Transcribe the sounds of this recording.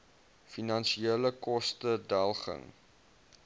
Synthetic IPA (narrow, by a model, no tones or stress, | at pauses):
finɐnsieːləkɔstədælˠχə̰ŋ